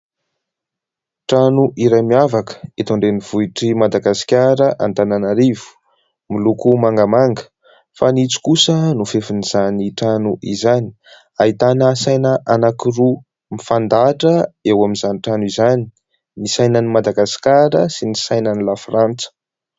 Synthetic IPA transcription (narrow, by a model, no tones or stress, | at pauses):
ʈ͡ʂanuʔiɾajmiavakə̥et̪oɳɖ͡ʐeniv̥uiʈ͡ʂimad̪aɡasi̥kʲaɾəʔa̰nt̪ananaɾivu̥ | milukumaŋɡəmaŋɡə̥ | fanit͡su̥kusənufefiniz̥aniʈ͡ʂanuʔizani̥ | ait̪anəsajnəʔanakiru | mifand̪aʈ͡ʂəewaminzaniʈ͡ʂanuizani̥ | misajnənimad̪aɡasi̥kʲaɾəsinisajnənilafrant͡sə̥